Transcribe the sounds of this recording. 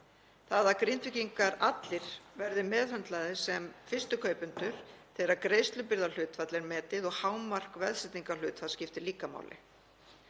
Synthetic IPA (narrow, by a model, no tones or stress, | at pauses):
θaðakɾɪnt̪vɪciŋkaɾat̪lɪɾ̥vɛɾðɪmɛːðhœnt̪laðɪsɛmfɪrst̪ʏkʰœːɥpʏnt̪ʏɾ̥θɛːɾaɾkɾejst̪lʏpɪɾðalʏːt̪fat̪lɛɾmɛːt̪ɪðɔɣhaːwmːar̥kvɛðsɛt̪iŋkalʏːt̪fat̪scɪft̪ɪliːkama̰wlɪ̰